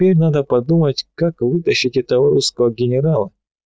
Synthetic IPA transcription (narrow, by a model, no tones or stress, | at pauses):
pʲeɾʲnad̪əpɐd̪umətʲkakvɨt̪əɕːɪtʲɪt̪ɐvəɾʲiskəvəɡʲɪnʲɪɾalˠə